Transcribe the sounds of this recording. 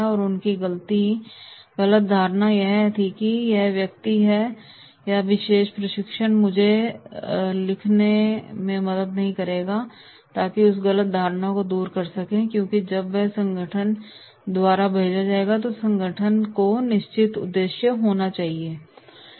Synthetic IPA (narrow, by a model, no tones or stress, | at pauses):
ɔːɾʊnkiɣɐlt̪i | ɣɐlət̪̚d̪ʱaːɾnajɛɦt̪ʰikijɛɦʋjɐk̚t̪iɦɛ | jaʋɪʃeːʃpɾɐʃɪkʃənmʊd͡ʒʱe | lɪkʰnemẽmɐd̪əd̪nɐɦĩkɐɾeːɡa | t̪aːkiʊs̬ɣɐlət̪̚d̪ʱaːɾnakod̪uːɾkɐɾsɐkẽkjõːkid͡ʒɐbʋɛɦsɐ̃ŋɡʱəʈʰən | d̪waːɾabʱeːd͡ʒad͡ʒaːeːɡat̪̬osɐ̃ŋɡʱəʈʰənkonɪʃt͡ʃɪt̪ʊ̰d̪ːeːʃjəɦoːnat͡ʃaːɦieː